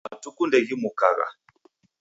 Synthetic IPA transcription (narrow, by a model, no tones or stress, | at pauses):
atukundɛɣimukaɣa̰